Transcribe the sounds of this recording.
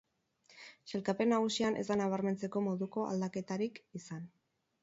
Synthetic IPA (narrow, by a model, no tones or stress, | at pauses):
se̞lkape̞nːaɣusianʔe̞zd̪anaβ̞aɾme̞nt͡se̞ko̞mo̞ðuko̞a̰ld̪ake̞t̪aɾikisan